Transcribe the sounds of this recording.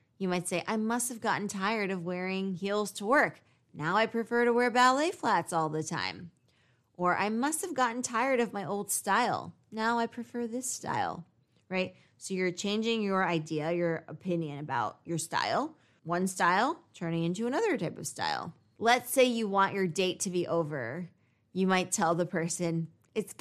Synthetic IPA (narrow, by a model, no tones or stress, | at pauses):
jɨmaɪtseɪʔaɪmʌst̚hɨvɡɑʔn̩tʰaɪə˞ɾʌvwɛɹɪ̃ŋhilˠz̥tʰəwɜ˞k | naʊaɪpʰɹ̥ɨfɜ˞ɾəwɛɹbæleɪflætsɔlˠðɨtʰã̰ɪ̃m | ʔə˞ʔa̰ɪmʌst̚hɨvɡɑʔn̩tʰaɪə˞ɾʌvmaɪʔoʊlˠd̥staɪl̩ˠ | naʊaɪpʰɹ̥ɨfɜ˞ðɪsta̰ɪl̩ˠ | ɹaɪt̚ | soʊjə˞t͡ʃʰẽɪ̃nd͡ʒɪ̃ŋjə˞aɪdiɨjə˞əpʰɪ̃njɨ̃nɨbaʊt͡ʃ̚ə˞sta̰ɪlˠ | wʌ̃nstaɪlˠtʰɜ̃˞nɪ̃ŋɪ̃ntʉənʌðə˞tʰaɪpʌv̥sta̰ɪlˠ | lətseɪjɨwɑ̃nt͡ʃə˞deɪtʰɨbiʔoʊvə̰˞ | jɨmaɪtʰɛlˠðəpʰɜ˞sɨ̃n | ɨts